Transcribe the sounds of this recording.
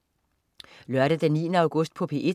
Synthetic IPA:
lœɐɾəd̥enːiːənəɑ̈ʊɡ̥ɔ̽sd̥pʰɒ̽pʰe̝̰ːʔe̥

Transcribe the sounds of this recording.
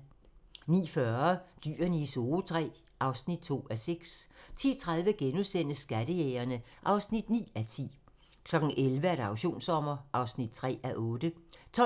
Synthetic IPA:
nḭːfɶɐd̥y̰ːɐniso̝ːt͡sʰʁɛ̰ː | ʔɑ̈ʊsnid̥̚t͡sʰo̝̰ːæseɡ̥st͡sʰḭːt͡sʰʁäð̞ˠʋəɡ̥enusen̰əsːɡ̥æd̥əjeːɐnəʔɑ̈ʊsnid̥nḭːæt͡sʰḭː | kʰlɒ̽ɡ̥n̩ʔelʋəæɾ̥ɑ̈ʊɕo̝̰ːnsɒ̽m̰ɐʔɑ̈ʊsnid̥̚t͡sʰʁɛ̰ːæʔɔ̽ːd̥ət͡sʰɒ̽

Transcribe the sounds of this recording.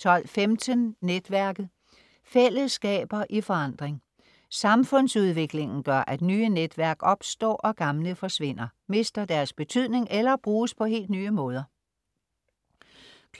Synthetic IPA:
t͡sʰɒ̽l̰femd̥ʰənːed̥ʋæɐɡ̥ð̩ˠ | fel̰əsɡ̥ɛ̰ːb̥ɐʔifɒ̽ɑ̈n̰d̥ʁeŋ | sɑ̈mfɔ̽n̰suð̞ˠʋe̝ɡ̥le̝ŋn̩ɡ̥ɶɐʔæd̥nyːəned̥ʋæɐɡ̥ɒ̽b̥sd̥ɒ̰ːʔɒ̽ɡ̥ɑ̈mləfɒ̽sʋe̝n̰ɐme̝sd̥ɐd̥æɐsb̥e̝t͡sʰyð̞ˠne̝ŋelɐb̥ʁuːspʰɒ̽ɦe̝̰ːld̥nyːəmɔ̽ːð̞ˠɐ

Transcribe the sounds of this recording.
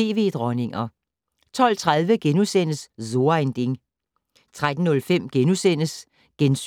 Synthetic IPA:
e̝̰ːʋe̝̰ːd̥ʁɒne̝ŋɐ | t͡sʰɒ̽l̰t͡sʰʁaðˠʋəɡ̥enusen̰əsso̝ɐend̥e̝ŋ | t͡sʰʁad̥n̩ːɔ̽lfem̰ɡ̥enusen̰əs | ɡ̥ens

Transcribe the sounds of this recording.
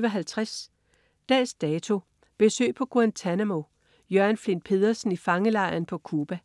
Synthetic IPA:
ʋɐɦælt͡sʰʁas | d̥ɛ̰ːsd̥ɛːt͡sʰo̝ | b̥e̝sø̰ːpʰɒ̽ɡ̥oænt͡sʰænæmo̝ | jœɐnflenpʰe̝ðˠɐsn̩ifɑ̈ŋəlɑ̈ɪ̰ɐnpʰɒ̽kʰuːb̥æ

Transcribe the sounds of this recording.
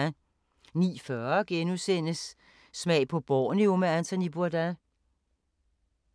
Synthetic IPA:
nḭːfɶːɐɐɡ̥enusen̰əsː | mɛ̰ɪpʰɒ̽b̥ɒːnio̝meænt͡sʰonib̥uɐdæ

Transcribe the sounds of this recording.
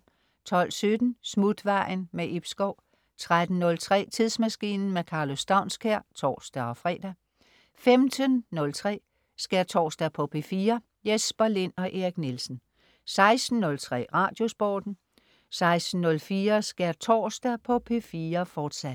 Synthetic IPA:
t͡sʰɒ̽l̰sød̥n̩smud̥ʋɑ̈ɪ̰nmeʔib̥sɡ̥ɒʊ̰ | t͡sʰʁad̥n̩nːɔ̽lt͡sʰʁɛ̰ːt͡sʰiðˠsmæsɡ̥ḭːnn̩mekʰɑ̈ːlo̝sd̥ɑ̈ʊ̰nskʰæɐ̰t͡sʰɒ̰ːsd̥æɒ̽fʁɛ̰ːd̥æ | femdʰənːɔ̽lt͡sʰʁɛ̰ː | sɡ̥æɐt͡sʰɒ̰ːsd̥æpʰɒ̽pʰe̝̰fiːɐ | jesb̥ɐle̝nɒ̽ʔeʁiɡ̥nelsn̩ | sɑ̈ɪsd̥n̩ːɔ̽lt͡sʰʁɛ̰ːʁɑ̈ːd̥jo̝sb̥ɒːd̥n̩ | sɑ̈ɪsd̥n̩ːɔ̽lfiːɐsɡ̥æɐt͡sʰɒ̰ːsd̥æpʰɒ̽pʰe̝fiːɐfɒːd̥sæd̥

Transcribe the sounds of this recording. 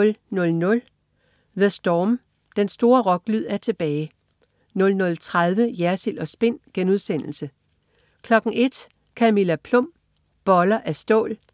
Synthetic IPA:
lnɔ̽lnɔ̽l | ðəsd̥ɒːm | d̥ensd̥o̝ːɐʁɒ̽ɡ̥lyð̞̰ˠæɐt͡sʰe̝b̥ɛːɪ | nɔ̽lnɔ̽lt͡sʰʁað̞ˠʋəjæɐsil̰ɒ̽sb̥e̝n̰ɡ̥enuð̞ˠsen̰l̩sə | kʰlɒ̽ɡ̥ŋ̩ʔe̝d̥ | kʰæmilæpʰlɔ̽m̰ | b̥ɒ̽lɐʔæsd̥ɔ̰̽ːl

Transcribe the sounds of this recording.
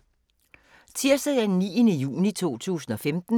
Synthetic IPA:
t͡sʰiɐsɐjæd̥enːḭːənəjṵːnit͡sʰo̝̰ːt͡sʰṵːsn̩ɒ̽femd̥n̩

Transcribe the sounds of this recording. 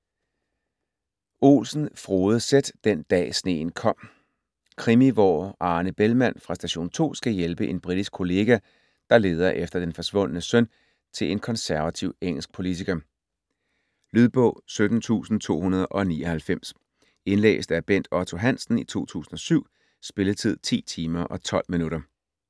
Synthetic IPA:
o̝̰ːlsn̩fʁoːð̩ˠsed̥d̥end̥ɛ̰ːsne̝̰ːn̩kʰɒ̽m̰ | kʰʁimiʋɒ̰ːɑ̈ːnəb̥elmæn̰fʁɑ̈sd̥æɕo̝̰ːnt͡sʰo̝̰ːsɡ̥æjelb̥əʔe̝nb̥ʁid̥isɡ̥̚kʰo̝le̝ːɡ̥æ | d̥ɑ̈le̝ːð̞ˠɐʔefd̥ɐd̥enfɒ̽sʋɔ̽n̰ənəsœn̰ | t͡sʰe̝le̝nkʰɒ̽nsæɐʋæt͡sʰiʊ̰eŋ̰l̩sɡ̥̚pʰo̝lit͡sʰiɡ̥ɐ | lyðˠb̥ɔ̰̽ʊ̰sød̥n̩t͡sʰṵːsn̩t͡sʰo̝̰ːhunɐð̞̩ˠʔɒ̽nḭːɒ̽hælfem̰s | e̝nlḛːsd̥æɐb̥en̰d̥ɒt͡sʰo̝ɦæn̰sn̩it͡sʰo̝̰ːt͡sʰṵːsn̩ɒ̽syʊ̰ | sb̥e̝lət͡sʰið̞̰ˠt͡sʰḭːt͡sʰiːmɐʔɒ̽t͡sʰɒ̽l̰minuɾɐ

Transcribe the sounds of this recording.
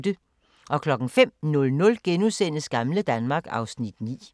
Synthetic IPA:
d̥ə | ʔɒ̽kʰlɒ̽ɡ̥n̩fem̰nɔ̽lnɔ̽lɡ̥enusen̰əsɡ̥ɑ̈mləd̥ænmɑ̈ːɡ̥ɑ̈ʊsnid̥nḭː

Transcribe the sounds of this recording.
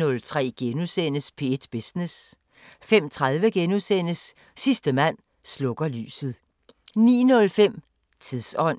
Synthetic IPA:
ɔ̽lt͡sʰʁɛ̰ːɡ̥enusenəspʰe̝e̝d̥b̥esnes | fem̰t͡sʰʁað̞ˠʋəɡ̥enusen̰əsː | isd̥əmæn̰ | slɔ̽ɡ̥ɐly̰ːsð̞̩ˠ | nḭːnɔ̽lfem̰ | t͡sʰiðˠsɒ̽n̰

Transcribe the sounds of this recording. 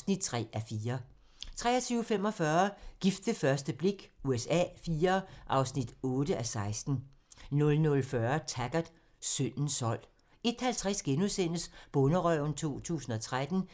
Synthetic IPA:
snid̥̚t͡sʰʁɛ̰ːʔæfiːɐ | t͡sʰʁɛ̰ːɐt͡sʰyːʊfem̰ɒ̽fɶɐɡ̥ifd̥əfɶɐsd̥əb̥le̝ɡ̥uesɛ̰ːfiːɐʔɑ̈ʊsnid̥ɔ̽ːd̥əʔæsɑ̈ɪsd̥n̩ | nɔ̽lnɔ̽lfɶɐt͡sʰæɡ̥ɐð̥ | søn̰n̩sɒ̽l̰ | e̝d̥hælt͡sʰʁasɡ̥enusen̰əsb̥ɔ̽nəʁœʊ̰nt͡sʰo̝̰ːt͡sʰṵːsn̩ɒ̽t͡sʰʁad̥n̩

